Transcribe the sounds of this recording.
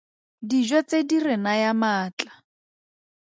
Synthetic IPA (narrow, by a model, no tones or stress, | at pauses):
did͡ʒɔt͡sedirɪnajamaːt͡ɬḁ